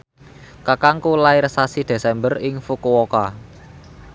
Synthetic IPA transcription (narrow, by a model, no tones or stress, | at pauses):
kakaŋkulaiɾsasid̪̥e̤sɛmbərɪŋfukuwoka